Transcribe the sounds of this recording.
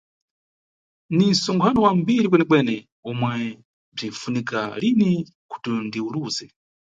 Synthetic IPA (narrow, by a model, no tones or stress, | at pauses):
nisɔŋɡʰanɔwambiɾikwɛnɛkwɛnɛ | umwɛ | b͡ʐinfunikalini | kʰu̥tundiuluːzɛ